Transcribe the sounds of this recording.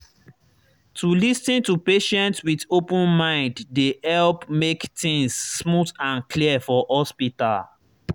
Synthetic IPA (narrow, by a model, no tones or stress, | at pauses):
tulistĩntupeʃɛ̃ntswidopə̃nmãɪ̃nddehɛlpmektĩŋsːmutãnkʰliəfɔhɔspita̰l